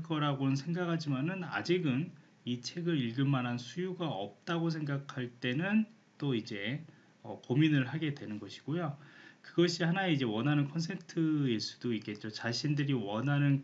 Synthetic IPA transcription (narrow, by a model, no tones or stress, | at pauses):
k͈ʌɾaɡonɯnsʰe̞ŋɡakʰad͡ʑimanɯna̰d͡ʑiɡɯn | it͡ɕʰe̞ɡɯɾiɭɡɯɭmanɦansʰujuɡaʌ̰p̚t͈aɡos̬ʰe̞ŋɡakʰaɭt͈e̞nɯn | t͈oid͡ʑe̞ | ʌpominɯɭɦaɡe̞dwe̞nɯnɡʌɕʰi̥ɡ̥ojokɯɡʌɕʰihanaeid͡ʑe̞wʌnɦanɯnkʰʌns̬ʰentʰɯes͈u̥d̥oik͈e̞t̚t͡ɕ͈ot͡ɕaɕʰindɯɾiwʌnɦanɯn